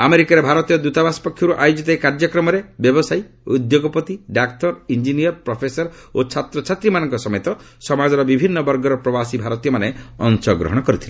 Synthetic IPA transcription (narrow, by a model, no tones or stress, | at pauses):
ameɾikaɾebʱaɾɔt̪ijɔd̪ut̪abasɔ̥pɔkʰjɔɾuʔajod͡ʒit̪aikaɾd͡ʒɔkɾɔmɔɾebjɔbɔsaj | ud̪joɡɔpɔt̪iɖakʈɔɾind͡ʒiniɔɾpɾɔpʰesɔɾ | ot͡ʃʰat̪ɾɔt͡ʃʰat̪ɾimanɔŋkɔsɔmet̪ɔ | sɔmad͡ʒɔɾɔbibʱinːɔbɔɾɡɔɾɔpɾɔbasibʱaɾɔt̪ijɔmaneɔ̰nsɔɡɾɔ̰ɦɔɽ̃ɔkɔɾit̪ʰile